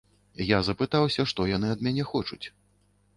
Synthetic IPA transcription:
jazɐpɨt̪awsʲɐʂt̪ɔjan̪ɨɐd̪mʲanʲɛxɔt͡ʂut͡sʲ

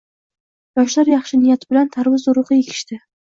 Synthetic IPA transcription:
jɒʃlaɾjɑχʃɪnɪjat̪ʰɪbɪlant̪ʰaɾvɪzʊɾɨʁɨjekʲʰɪ̥ʃt̪ɪ

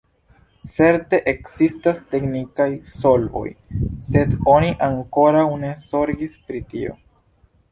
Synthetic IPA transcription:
t͡se̞ɾte̞ʔeksistaste̞knikajso̞lbo̞̰jse̞do̞niʔaŋko̞ɾawne̞so̞ɾɡispɾitio̞̰

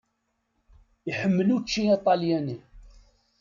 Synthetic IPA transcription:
iħəmːəlut͡ʃːiit̪ˤɑljæni

